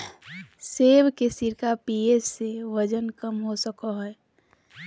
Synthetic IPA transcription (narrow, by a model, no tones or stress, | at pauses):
seːbkesiɾkapiesːeʋəd͡ʒənkəmɦosəkɔɦɛː